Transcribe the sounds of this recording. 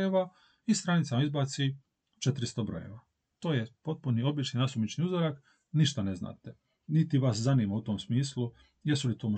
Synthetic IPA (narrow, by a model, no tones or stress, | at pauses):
eʋa | ist̪ɾanit̪samaizbaːt̪si | t͡ʃet̪ɾist̪obɾo̰jḛʋa | t̪o̞ːjepo̞t̪̚punio̞bit͡ʃninasumit͡ʃniuzoɾak | niʃt̪ane̞zna̰ːt̪e | nit̪iʋaszaniːmaut̪o̞msmiːslu | jesulit̪oːmo